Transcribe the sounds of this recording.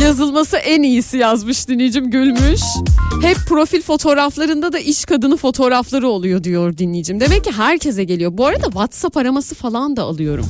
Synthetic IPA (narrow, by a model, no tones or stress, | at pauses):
jazɯlˠmasɯʔɛnijisijazmɯʃd̪inʲːijd͡ʒimɟylʲmyʃhɛpːɾo̞filʲfo̞t̪ʰo̞ːɾaflˠaɾɯnd̪ad̪aʔiʃkʰad̪ɯnɯfo̞t̪ʰo̞ːɾaflˠaɾɯo̞lˠujo̞d̪ijo̞ɾd̪inlʲijid͡ʒimd̪e̞mɛcːiɦæɾcʰe̞zɛɟe̞lʲijo̞buaɾad̪avat̪sapaɾamasɯfalˠand̪aalˠɯjo̞ɾṵm